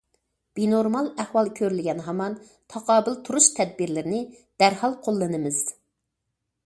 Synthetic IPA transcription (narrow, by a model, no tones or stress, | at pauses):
b̥inoɾmɑlˠæhwɑlˠkʲʰøɾylɡʲɛnɦɑmɑn | t̪ʰɑqʰɑːbɨlˠt̪ʰuɾuʃt̪ʰɛd̪̚biɾlɪɾɪnɪ | d̪̥æɾhɑlˠqʰolˠːɨnɨmɪz̥